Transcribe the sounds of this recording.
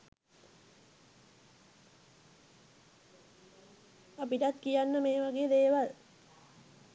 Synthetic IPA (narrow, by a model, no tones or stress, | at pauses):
apiʈat̪kijanːəmeːʋaɡeːd̪eːʋal